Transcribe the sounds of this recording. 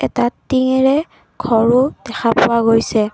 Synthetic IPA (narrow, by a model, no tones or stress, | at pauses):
ɛtatiŋɛɹɛ | ɡʰʱɔɹʊd̥ɛxapʊwaɡojsɛ